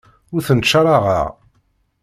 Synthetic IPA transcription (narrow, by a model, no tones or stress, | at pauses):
ʊɾθənt͡ʃːaɾˤɑʁɑ̰ʁ